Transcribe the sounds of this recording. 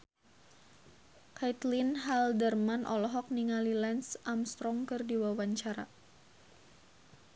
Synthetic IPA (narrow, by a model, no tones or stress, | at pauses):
kajt̪linɦaldərmanʔɔ̰lɔɦɔk̚niŋalilɛnsʔamst̪ɾɔŋkɨrdiwawaɲt͡ʃaɾa̰